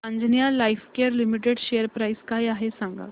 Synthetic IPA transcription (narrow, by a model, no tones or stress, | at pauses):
ə̃nd͡znijalaifkeəɾlimiʈ̬eɽɕejəɾpɾaiskaːjaɦesãŋɡa̰